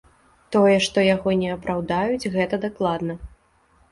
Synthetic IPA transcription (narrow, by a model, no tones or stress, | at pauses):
t̪ɔjɛʂt̪ɔjaɣɔnʲɛɐpɾawd̪ajud͡zʲɣɛt̪ɐd̪aklˠad̪nɐ